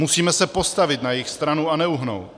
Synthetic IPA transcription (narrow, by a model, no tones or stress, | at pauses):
musiːmɛsɛpo̞st̪avɪt̪najɪxst̪ɾanuanɛuɦno̰w